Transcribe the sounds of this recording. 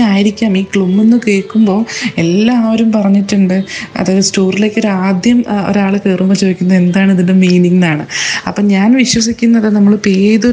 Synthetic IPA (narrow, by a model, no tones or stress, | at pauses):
aːjiɾikʲːaːmiːkɭumːenːɨkeːɭkːumbo̞ːe̞lːaːʋɐɾumpɐrɐɲːiʈːuɳɖɨɐ̰ðaːðɨstoːrile̞ːkːo̞ɾaːd̪jɐmo̞̰ɾaːɭɨkeːrumɐt͡ɕoːikʲːunːɐðe̞nd̪aːɳiðinde̞miːniŋːnaːɳɨɐpːoːɲaːnʋiɕwɐsikʲːunːɐðɨnɐmːɐɭpeːðo